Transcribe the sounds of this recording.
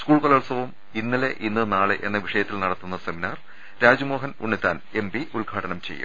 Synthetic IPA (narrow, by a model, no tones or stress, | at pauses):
skuːɭkolɐɭsɐʋum | inːileʔinːɨnaːɭeʔe̞nːɐʋiʂɐjɐt̪ːilnɐɽɐt̪ːunːɐse̞minaːr | ɾaːd͡ʑumo̞ːɦɐnuɳːit̪ːaːn | e̞mbiulɡʱaːʈɐnɐmt͡ɕe̞jːṵm